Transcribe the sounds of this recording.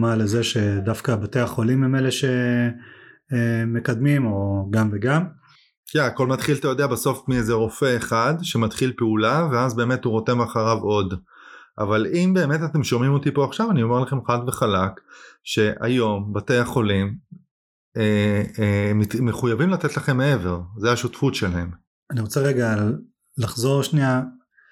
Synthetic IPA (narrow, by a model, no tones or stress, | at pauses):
malezeʃe̞d̪afkabat̪ejaχo̞limːemeleʃe | eme̞kad̪mimo̞ɡamveɡam | kaako̞lmat̪χilt̪ajo̞d̪eabaso̞fmiezeʁo̞fe̞ːχadʃe̞mat̪χilpeulave̞azbe̞me̞t̪uʁo̞te̞maχaʁavo̞d | ʔa̰valimbe̞ːme̞t̪at̪e̞mʃo̞mimo̞t̪ipo̞aχʃavanio̞me̞ʁlaχe̞mχadveχalakʃe̞ʔa̰jo̞mbate̞jaχo̞lim | e | eχujavimlat̪et̪laχe̞mːee̞ve̞ʁzeaʃutfutʃe̞lahe̞m | aniʁot͡seʁeɡal | laχzo̞ʁʃnia